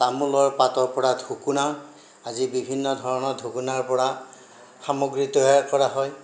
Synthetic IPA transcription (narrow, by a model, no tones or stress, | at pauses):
tamulɔɹpatɔɹpɔɹadʱukuna | azibibʱinːɔdʱɔɹɔnɔdʱukunaɹpɔɹa | xamoɡɹitɔakɔɹaɦɔj